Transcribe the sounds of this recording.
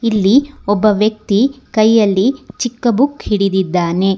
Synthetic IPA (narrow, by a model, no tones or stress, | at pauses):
ilːiɔbːɐʋjɐk̚t̪i | kɐjːɐlːit͡ʃikːɐbukhiɽid̪id̪ːaːne̞